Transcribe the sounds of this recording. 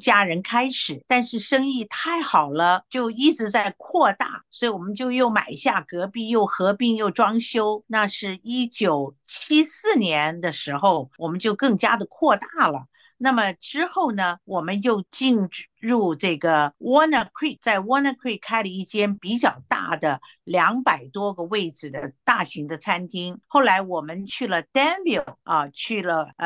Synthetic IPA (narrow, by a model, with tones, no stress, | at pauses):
t͡ɕja˥ɻə˧˥nkʰa˥ɪʂɻ̩˨˩˦t̪a˥˧nʂɻ̩˥˩ʂɤ˥ŋi˥˩t̪ʰa˥˩ɪxɑ˨˩ʊlə˦t͡ɕjo˥˧ʊi˥˩ʈ͡ʂɻ̩˧˥t͡sa˥˧ɪkʰwɔ˥˧t̪a̰˥˩swɔ˧˥i˧wɔ˨˩mə˦nt͡ɕjo˥˧ʊjo˥˩ʊma̰˨˩ɪɕja˥˩kɤ˧˥pi˥˧jo˥˩ʊxɤ˧˥pi˥˧ŋjo˥˩ʊʈ͡ʂwɑ˥ŋɕjo˥ʊna˥˧ʂɻ̩˥˩i˥t͡ɕjo˨˩ʊt͡ɕʰi˥sɹ̩˥˩njɛ˧˥nd̪ə˨ʂɻ̩˧˥xo˥˩ʊwɔ˨˩mə˦nt͡ɕjo˥˧ʊkɤ˥˩ŋt͡ɕja˥d̪ə˨kʰwɔ˥˧t̪a˥˩lə̰˩ | na˥˩mə˩ʈ͡ʂɻ̩˥xo˥˩ʊnə˩wɔ˨˩mə˦njo˥˧ʊt͡ɕi˥˧nɻu˥˧ʈ͡ʂɤ˥˩ɡə˩wɔ˥nə˧kʰi˥˩t͡sa˥˩ɪwɔ˥na˧kʰwi˥˩kʰa˥ɪlə˨i˥˩t͡ɕjɛ˥npi˧˥t͡ɕjɑ˥˩ʊt̪a̰˥˩d̪ə˩ | ljɑ˧˥ŋpa˨˩ɪt̪wɔ˥ɡə˨we˥˩ɪʈ͡ʂɹ̩˨˩d̪ə˦t̪a˥˩ɕi˧˥ŋd̪ə˧t͡sʰa˥nt̪ʰi˥ŋxo˥˩ʊla˧˥ɪwɔ˨˩mə˦nt͡ɕʰy˥˩lə˩t̪ɛ˥nbi˨˥˩lɐ˧˩t͡ɕʰy˥˩lə˩